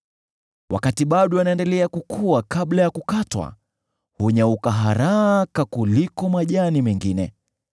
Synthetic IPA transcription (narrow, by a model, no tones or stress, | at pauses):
wa̰katiɓaɗɔanaɛndɛlɛakukʰuakaɓlajakukatwa̰ | huɲaukaɦaɾakakulikɔmaʄanimɛŋɡinɛ